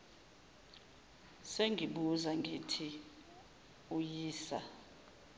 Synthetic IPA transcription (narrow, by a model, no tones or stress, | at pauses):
seŋɡʱiɓuzaŋɡʱetʰi | ujiːsa̰